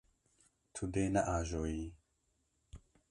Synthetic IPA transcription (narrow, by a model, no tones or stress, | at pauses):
t̪ʰud̪enaʔaʒoi